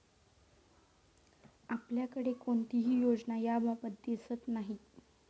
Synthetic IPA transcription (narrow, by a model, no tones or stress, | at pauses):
apljakəɽekoɳt̪iɦiːjod͡znajabʱabət̪̚d̪esət̪naɦi